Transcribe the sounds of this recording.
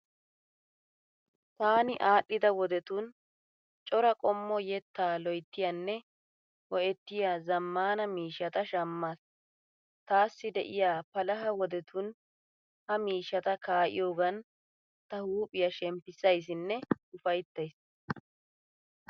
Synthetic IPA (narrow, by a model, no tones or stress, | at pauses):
t̪aːnɪʔaːʔːɪd̪ɐwɔd̪ɛt̪ʊn | t͡ʃʼɔɾɐkʼɔmːɔjɛt̪ːaːlɔjt̪ːɪjɐnːɛ | wɔʔɛt̪ːɪjaːzɐmːaːnɐmiːʃːɐt̪ɐʃɐmːas | t̪aːsːɪd̪ɛʔɪjaːpɐlɐɦɐwɔd̪ɛt̪ʊn | hɐmiːʃːɐt̪ɐkaːʔɪ̰joːɡɐn | t̪ɐhuːpʼɪjɐʃɛmpːɪsɐjs̬ɪnːɛʊfɐjt̪ːɐjs